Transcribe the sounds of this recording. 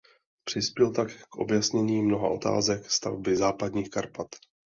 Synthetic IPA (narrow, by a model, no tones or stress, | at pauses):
pr̝̥ɪspjɛlt̪akːkʔo̞̰bjasɲɛɲiːmno̞ɦa̰ʔo̞t̪a̰ːzɛkst̪a̰vbɪzaːpad̪ɲiːxkaɾpat̪